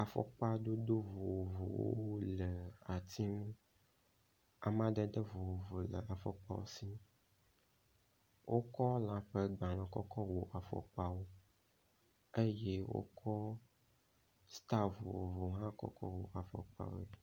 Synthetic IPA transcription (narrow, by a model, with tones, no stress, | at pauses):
a˨fɔ̰˨k͡pa˦ɖo˦do˦vo˨wo˨vo˨wo̰˦o˦lə˨a˨t̪ʰi˦m˦ | a̰˨mã˦ɖə˦ɖə˦vo˨wo˨vo˨lə̰˨a˨fɔ˦k͡pa̰˦wo̰˦si˦ | wʔo˦kɔ˦lã˦ɸe˦ɡ͡ba˨l̃ɔ̃˨kɔ˦kʰɔ˦wo˨ʔa˨fɔ̰˦k͡pa˦wo˦ | e˦je˦wo̰˦kʰɔ˦ | st̪a˦vo˨wo̰˨vo˨ɦã˦kɔ̰˦kɔ˦wo˨ʔa˨fɔ̰˨k͡pa̰˦wo̰˦˨